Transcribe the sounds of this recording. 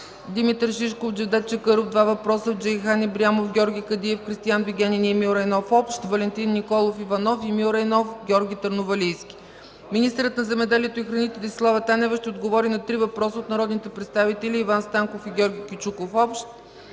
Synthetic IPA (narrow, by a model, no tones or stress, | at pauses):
d̪imit̪ɾʃiʃkofd͡ʒɛvd̪ɛt̪̚t͡ʃɛkɤɾofd̪vavɐpɾɔsəd͡ʒɛjxanibɾiamofɡʲɔɾɡʲikɐd̪iɛfkɾist̪ijanviɡʲɛnʲiniɛmiuɾɛjnɔfɔpʃt̪vɐlɛnt̪inːikɔlˠofivɐnɔfimiuɾɛjnɔfɡʲɔɾɡʲit̪əɾnovɐlijskʲi̥ | minist̪ɛɾət̪nɐzɛmɛd̪ɛliɛt̪oixɾɐnit̪ɛd̪islˠavɛt̪anɛvɛʃt̪ɛod̪ɡovɔɾinɐt̪ɾivɐpɾɔsəot̪nɐɾɔd̪nit̪ɛpɾɛt̪st̪avit̪ɛlʲiːvanst̪aŋkofiɡʲɔɾɡʲikʲit͡ʃukofɔpʃt̪̚